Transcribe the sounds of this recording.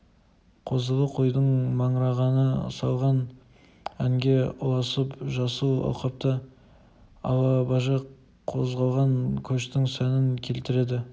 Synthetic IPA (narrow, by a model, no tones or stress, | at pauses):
qʰo̞zəlˠəqʰo̞jd̪əɴmɑɴɾɑʁɑnəsɑlˠʁɑn | æŋɡʲe̞ʊlˠɑsəpʒɑsuwɑ̰wˠqɑp̚t̪ə | ɑ̰wˠɑbɑʒɑq | qʰːo̞zʁɑlˠʁɑŋkʲʰɵʃt̪ɪŋsænɪŋkʲʰe̞lt̪ɪɾe̞d̪ɪ